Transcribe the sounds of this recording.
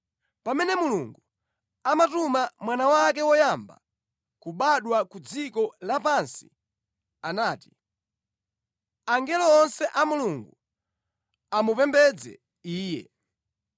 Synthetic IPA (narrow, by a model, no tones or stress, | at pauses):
pamɛnɛmuluŋɡu | amatumamwanawak̬ɛwɔjamba̰ | kuɓaɗwakud͡zikɔlapansi̥ | anaːti̥ | aŋɡɛlɔːnsɛʔamuluŋɡu | amupɛmbɛd͡zɛ̰ | iːjɛ̰